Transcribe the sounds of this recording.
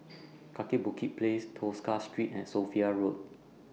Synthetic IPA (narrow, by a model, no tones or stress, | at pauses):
kʰakibukʰit̚pʰlestʰoskastɹitɛ̃tsofiaɹot̚